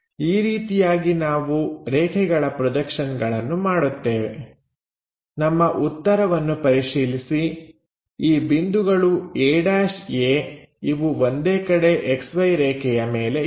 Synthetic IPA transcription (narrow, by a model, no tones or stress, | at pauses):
iːɾiːt̪ijaːɡinaːʋuɾɛːkʰɛɡɐɭɐpɾɔd̪ɐkʂɐnɡɐɭɐnːumaːɽut̪ːeːʋḛ | nɐmːɐʔut̪ːɐɾɐʋɐnːupɐɾiʃiːlisi | iːbind̪uɡɐɭueːɽaːʃeː | iʋuʋond̪eːkɐɽe̞ʔeksʋɐjɾɛːkʰɛjɐme̞ːle̞